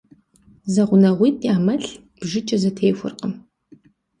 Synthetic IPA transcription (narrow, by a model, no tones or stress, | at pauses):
zɐʁʷʊnɐʁʷiːtʼjaːmɐɬ | b̥ʒɪt͡ʃʼɐzɐtʰeːxʷʊ̰rqəm